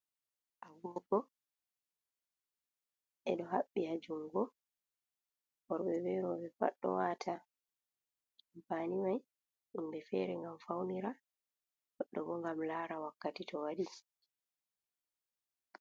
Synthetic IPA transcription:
ʔaɡɔkɔ | ɛ̰ɗɔɦaɓːihad͡ʒuŋɡɔ | bɔɾbɛbɛɾɔbɛfa̰ɗːɔ̰waːtʰa | baːniwaj | imbɛfɛ̰ɾɛŋɡamfawniɾa | ɡɔɗːɔbɔŋɡamlaːɾawakːatitʰɔwaɗi

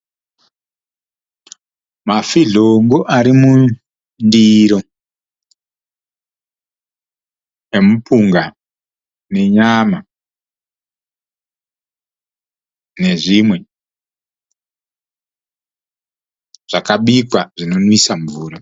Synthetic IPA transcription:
mafiɮoŋɡoʔaɾimu | ndiɾo̞ | emupuŋɡa | ne̞ɲama | ne̞ʐimwe̞ | ʐ̥akaɓikwaʐino̞nwisaɱvuːɾa

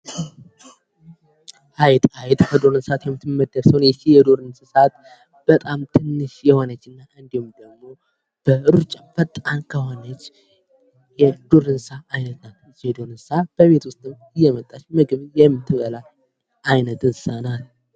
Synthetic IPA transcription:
hajt̪ʼajt̪ʼkʰəd̪oɾɨnsat̪jɛmːɨt̪ʰːɨmːəd̪ːəɾsəwnjɛt͡ʃːijɛd̪oɾɨnsɨsat̪ | b̥ət̪ʼamt̪ʰɨnːɨʃjɛhonət͡ʃːɨnːaɨnd̪ihumd̪əɡmo̞ | b̥əɨɾut͡ʃʼafət̪ʼankʰəhonət͡ʃː | jɛd̪̥oɾɨnsaʔːjnət̪nal | t͡ʃːɛd̪o̞ɾɨnsab̥əβe̞t̪wʊst̪ʼɨm | ɨjːɛmət̪ʼːat͡ʃmɨɡɨβjɛmːɨt̪ʰːɨβəla | ʔajnət̪ɨnsanal

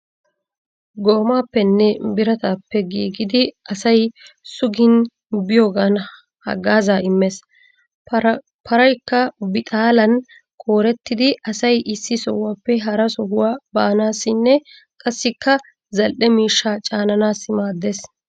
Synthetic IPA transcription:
ɡo̞ːmaːpːɛnːɛbɪɾɐt̪aːpːɛɡḭːɡɪd̪ɪɐsɐjsʊɡɪn | bɪjoːɡan | hɐ̰ɡaːzaːɪmːes | pʰɐɾɐjkːɐbɪt̪ʼaːlɐn | kʼo̞ːɾɛt̪ːɪd̪ɪɐsɐjʔɪsːɪsɔ̰wːaːpːɛɦɐɾɐsɔɦʊwaːbaːnaːsːɪnːɛ | kʼɐsːɪkːɐ | zɐlʔɛmiːʃːaːt͡ʃʼaːnɐnaːsːɪmaːd̪ːes

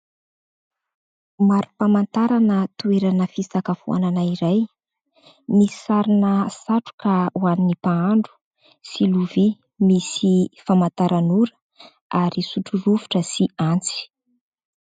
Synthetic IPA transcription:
maɾupamant̪aɾanət̪ueɾanəfisakafṵa̰nanaiɾaj | misi̥saɾinəsaʈ͡ʂu̥kawaninipaaɳɖ͡ʐu̥ | siluvi | misifamant̪aɾʔanuɾə̥ | aɾisuʈ͡ʂuruvu̥ʈ͡ʂəsiant͡si̥

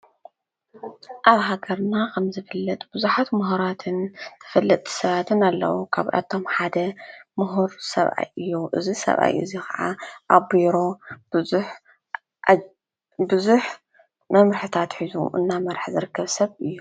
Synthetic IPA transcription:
ʔaβɦaɡɐɾnakʰɐmzɨfɨlːɐt̪ʼb̥ɨzuħat̪mɨɦuɾat̪ʰɨnt̪ʰɨ̥fɐlːɐt̪ʼʰːi̥sɐβat̪ʰɨnalːɐ̰wukʰa̰βʔa̰t̪ʰo̞mħad̪ɐmɨɦuɾsɐ̰βʔa̰jʔɨjːuʔɨ̰zisɐ̰βʔa̰jʔɨ̰zikʰa̰ʕa̰ʔaβbiɾo̞ | ħ | bɨzuħ | mɐmɾɨħɨt̪ʰat̪ħizṵʔɨ̰nːamɐɾħzɨɾɨkʰːɐβsɐβɨjːu

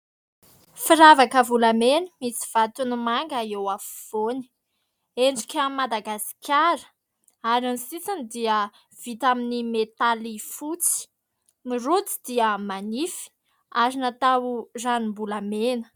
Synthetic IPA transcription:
fiɾavakəvulamenəmisi̥v̥at̪unumaŋɡaewafiv̥oni̥ | eɳɖ͡ʐukʲammːad̪aɡasi̥kʲaɾə̥ | aɾansit͡sanid̪iə | v̥it̪aminimet̪alifut͡si̥ | mirut͡si̥d̪̥iəmanifi̥ | azinat̪awuzanimbulamenə̥

